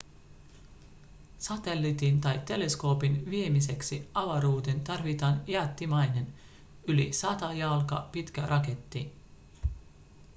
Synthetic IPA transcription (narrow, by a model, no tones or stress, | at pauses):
sɑt̪e̞lːit̪int̪ɑjt̪ːe̞le̞sko̞ːpinʋie̞mise̞ksiɑʋɑɾuːt̪e̞nt̪ɑrʋit̪ɑːnjɑːt̪ːimɑjne̞n | ylḭsɑt̪ɑjɑlkɑ̰pit̪k̟ærʔɑke̞t̪ːin